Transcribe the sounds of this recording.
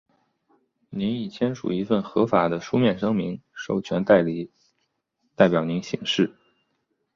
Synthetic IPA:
ni˧˥ni˨˩t͡ɕʰjɛ˥nʂṵ˨˩i˧˥fə˥˩nxɤ˧˥fa˨˩d̪ə˦ʂu˥mjɛ˥˩nʂɤ˥ŋmi˧˥ŋʂo˥˩ʊt͡ɕʰɥɛ˧˥nt̪a˥˩ɪli˨˥˦ | t̪a˥˩ɪpjɑ˨˩ʊni˧˥nɕi˧˥ŋʂɻ̩˥˩

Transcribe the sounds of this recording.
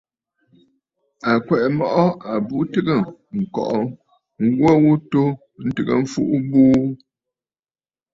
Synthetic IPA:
a˨kwɛ˨ʔɛ˨mɔ˦ʔɔ˦a˨bu˦tɨ˦ɡə˦˨ŋ̩˨kɔ̰˨ʔɔ˨ | ŋ̩˦ɡwɔ˦wu˦to˦ | n̩˦tɨ˨ɡə̰˨ɱ̩˦fu˦ʔu˦buː˦

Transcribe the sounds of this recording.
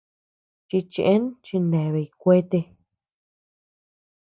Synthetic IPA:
t͡ʃi˧t͡ʃi˧ʔẽ˦nt͡ʃi˧nẽ˨βe˧i˨˧kʷe˦t̪e˧

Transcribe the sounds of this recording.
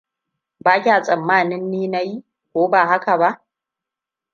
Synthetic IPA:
baː˦kʲaː˨sʼɐ˨mːaː˦˨nɪ˦nːiː˦na˦ji˦ | kʷoː˦baː˨ha˦ka˨ba˦ʔ

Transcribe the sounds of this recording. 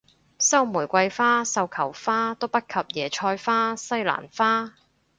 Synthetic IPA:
sɐ˥wmuː˨˩jkʷɐ˧jfaː˥sɐ˧wkʰɐ˨˩wfaː˥t̪o˥wpɐ˥t̚kʰɐ˨p̚jɛː˨˩t͡ʃʰɔː˧jfaː˥sɐ˥jla̰ː˨˩nfaː˥

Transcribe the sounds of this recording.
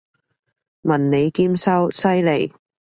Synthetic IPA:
mɐ˨˩nne˨˧jkiː˥msɐ˥wsɐ˥jle˨˩j

